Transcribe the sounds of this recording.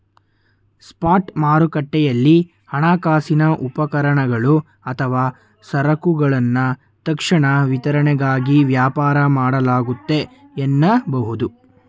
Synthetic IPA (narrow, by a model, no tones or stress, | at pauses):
spaːʈmaːɾukɐʈːɛjɐlːi | hɐɳaːkaːsinɐʔupɐkɐɾɐɳɐɡɐɭu | ɐt̪ʰɐʋaː | sɐɾɐkuɡɐɭɐnːɐ | t̪ɐkʂɐɳɐʋit̪ɐɾɐɳɛɡaːɡiʋjaːpaːɾɐmaːɽɐlaːɡut̪ːe̞ː | nːɐbɐɦud̪u